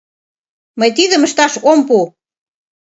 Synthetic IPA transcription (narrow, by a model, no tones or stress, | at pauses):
məjt̪iðə̆məʃt̪ɑʃompu